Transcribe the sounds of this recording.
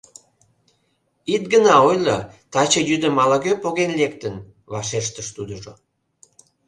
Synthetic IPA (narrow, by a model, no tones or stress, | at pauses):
it̪̚ɡənɑojlət̪ɑt͡ɕəjyd̪əmɑləɣøpoɣenlekt̪ən | βɑʃeʃt̪əʃt̪ud̪əʒo